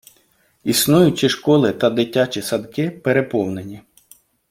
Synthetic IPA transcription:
isnujʊt͡ʃiʃkɔlˠɪt̪ɐd̪ɪtʲːat͡ʃʲisɐd̪kɪpeɾepɔwnenʲi

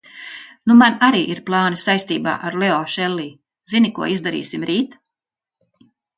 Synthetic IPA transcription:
numanaɾiːʔiɾplˠɑːnisajst̪iːba̰ːʔaɾleɔʃɛlˠːiː | zinikuɔizd̪aɾḭːsimɾiːt̪

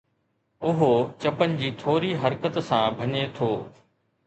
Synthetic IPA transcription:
ʊɦot͡ɕɐpənɪ̆d͡ʑiːt̪ʰoːɾiɦɐɾkət̪sãbʱɐɲet̪ʰoː

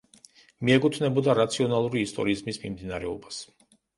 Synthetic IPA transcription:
miɛkʼut̪ʰvnɛbɔd̪aɾat̪sʰiɔnalˠuɾiːst̪ʼɔ̰ɾiːzmismimd̪inaɾɛɔbas

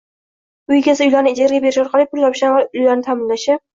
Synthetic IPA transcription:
ʊjɡʲasɪʊjlaɾnɪːd͡ʒaɾɡʲabeɾɪʃɒɾqʰɑlˠipʰʊlj̪ɒpɪʃanvaʊjlaɾnɪt̪ʰamɪnlaʃɪ

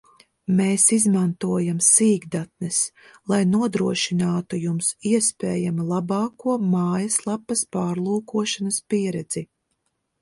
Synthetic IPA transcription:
meːsizmant̪uɔjamsiːɡd̪at̪̚nɛs | lˠajnuɔd̪ɾuɔʃinaːt̪ujumsiɛspɛːjamilˠabɑːkuɔmaːjɐslˠapːɐspaːɾlˠuːkuɔʃanɐspiɛɾɛd̪z̥i

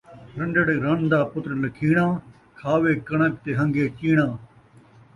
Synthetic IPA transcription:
ɾəɳɖəɽeːɾənd̪aːpʊt̪ɾləkʰiːɽãː | kʰaːʋeːkəɳək̚t̪eːɦə̃ŋɡeːt͡ʃiːɽãː

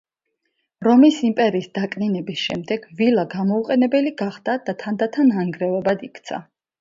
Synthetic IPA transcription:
ɾɔmisimpʼɛɾiːsd̪akʼninɛbisʃɛ̰md̪ɛɡ̥vilaɡamɔuqʼɛnɛbɛliɡaχd̪̥ad̪̥at̪ʰand̪at̪ʰanaŋɡɾɛvɔbad̪ikʰt̪sʰa̰

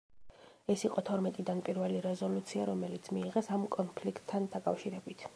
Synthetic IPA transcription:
ɛsiqʼɔt̪ʰɔɾmɛt̪ʼid̪anpʼiɾvɛliɾɛzɔlut̪sʰiaɾɔmɛlit̪sʰmiːʁɛsamkʼɔnpʰlikʰt̪ʰːand̪akʼafʃiɾɛbit̪ʰ

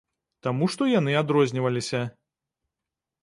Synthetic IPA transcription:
t̪amuʂt̪ɔjanɨad̪ɾɔzʲnʲivɐlʲisʲɐ

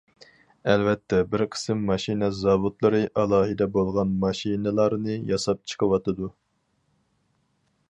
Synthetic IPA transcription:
ɛlvɛt̪ʰːɛbɪɾqʰə̥sɨmːɑʃinɛzɑvut̪lˠɨɾɨʔɑlˠɑːɦɨd̪ɛbolˠʁɑnmɑʃinɨlˠɑɾnɨjɑsɑp̚t͡ʃʰə̥qʰəwɑt̪ɨd̪u

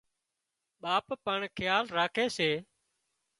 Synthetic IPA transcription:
ɓaːppəɳkʰɪjaːlɾaːkʰeːseː

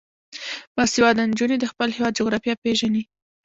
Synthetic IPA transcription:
mɑsewɑd̪and͡ʒuned̪əxpəlhewɑd̪̚d͡ʒoɣɾɑfijɑpeʒani

